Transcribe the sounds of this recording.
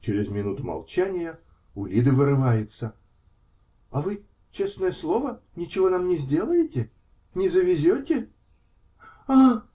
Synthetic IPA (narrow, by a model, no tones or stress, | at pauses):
t͡ɕɪɾʲɪzmʲɪnut̪ʊmɐ̰lˠt͡ɕænʲɪjə | ʊlʲid̪ɨvɨɾɨvajɪt̪sə | ɐvɨ | t͡ɕe̞snəjəslˠo̞vənʲɪt͡ɕɪvo̞namnʲɪzʲdʲe̞lˠəjɪtʲɪ | nʲɪzəvʲɪzʲotʲɪ | a